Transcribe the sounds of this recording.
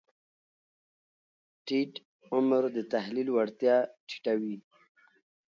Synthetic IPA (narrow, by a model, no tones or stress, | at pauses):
ʈiʈ | ʊmɾd̪ət̪aɦlilwaɽt̪jɑʈʰi̥ʈawi